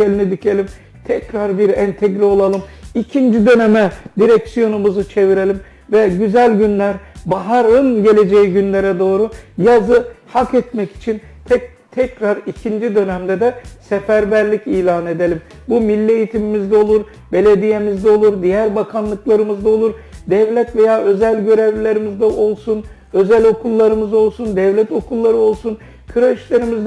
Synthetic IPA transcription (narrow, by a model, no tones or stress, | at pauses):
elʲinid̪icʰe̞lʲim | t̪ʰɛcɾaɾbiɾɛnt̪ʰɛɟɾio̞lˠalˠɯmicʰind͡ʒid̪ø̞nemɛd̪iɾɛcsijo̞numuzut͡ʃʰe̞viɾe̞lʲim | vɛɟyzælʲɟynlʲæɾbaɦaɾɯnɟe̞lʲe̞d͡ʒejiɟynlʲe̞ɾɛd̪o̞ːɾujazɯhakɛt̪mɛci̥t͡ʃʰin | t̪ʰɛ | t̪ʰɛcɾaɾicʰind͡ʒid̪ø̞næmd̪ɛd̪ɛsefæɾbæɾlʲiciːlʲaːne̞d̪e̞lʲim | bumilʲːie̞jit̪ʰimimizd̪ɛo̞lˠuɾ | be̞lʲe̞d̪ije̞mizd̪ɛo̞lˠuɾd̪ijæɾbakʰanlˠɯklˠaɾɯmɯzd̪ao̞lˠuɾd̪ɛvlʲɛt̪ve̞jaːø̞zælʲɟø̞ɾevlʲe̞ɾimizd̪ɛʔo̞lˠsun | ø̞zælʲo̞kʰulˠːaɾɯmɯzo̞lˠsund̪ɛvlʲɛt̪o̞kʰulˠːaɾɯo̞lˠsun | kʰɯɾeʃlʲe̞ɾimizd̪